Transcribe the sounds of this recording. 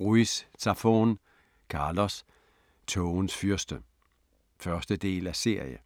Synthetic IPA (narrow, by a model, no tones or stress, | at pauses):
ʁuist͡sʰɑfo̰ːn | kʰɑ̈ːlɒs | t͡sʰɔʊnsfyɐsd̥ə | fɶɐsd̥əd̥e̝̰ːlæse̝ɐ̰jə